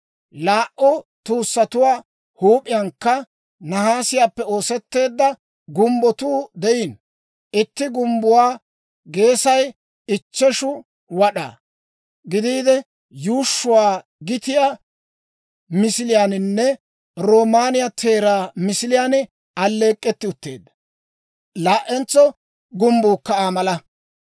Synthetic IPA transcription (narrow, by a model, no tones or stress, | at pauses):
laːʔɔt̪uːsːɐt̪ʊwaː | huːpʼɪjɐŋkːɐ | nɐhaːsɪjaːpːɛo̞ːsɛt̪ːe̞ːd̪ːɐ | ɡʊmbɔt̪uːd̪ɛɪn | ʔɪt̪ːɪɡʊmbʊwaː | ɡe̞ːsɐj | ɪt͡ʃːɛʃʊ | wɐɗa̰ | ɡɪd̪iːd̪ɛ | juːʃːʊwaː | ɡɪt̪ɪja | mɪsɪlɪjaːnɪnːɛ | ɾoːmaːnɪjat̪ʰe̞ːɾaːmɪsɪlɪjaːnɪ | ɐlːe̞ːkʼːɛt̪ːɪʊt̪ːḛːd̪ːɐ̥ | laːʔɛnt͡sːɔ | ɡʊmbuːkːɐaːmɐlɐ